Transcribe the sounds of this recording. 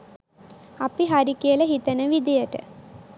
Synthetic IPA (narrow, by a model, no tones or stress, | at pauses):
apiɦaɾikijəlɐɦit̪ənəʋid̪ijəʈə̰